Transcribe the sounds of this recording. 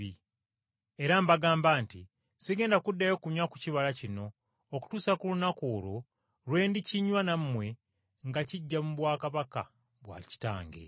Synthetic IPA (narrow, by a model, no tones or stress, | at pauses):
i | eɾambaɡaːmbaːnti | siɡe̞ːndakudːajo̞kuɲaku̥ciβalacino̞ː | ku̥tuːsakulunakoːlo | lwe̞ːndiciɲwanamːwe̞ | ŋɡaciɟːamuβwaːkaβaka̰ | βwa̰ːci̥ta̰ːŋɡḛ